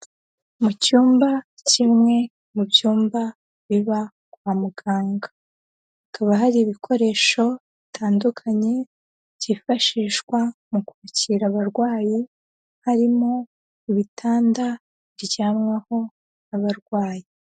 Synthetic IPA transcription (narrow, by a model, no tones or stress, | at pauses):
mucuːmba | cimŋe̞ | mubjuːmba | βiβa | ɡwaːmuɡaːŋɡa | kaβaɦaɾiːβikʰo̞ɾe̞ːʃo̞βitʰaːndukʰaɲe̞ | ɟifaʃiːʃkwamukuɾuciɾaβaɾɡwaːji | haɾimo̞ | iβitʰaːnda | iɾɟaːmŋaho̞ | naβaɾɡwaːji